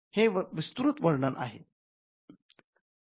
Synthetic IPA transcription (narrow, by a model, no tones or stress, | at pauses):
heʋist̪uɾut̪ʋəɽɳənʔa̰ɦḛ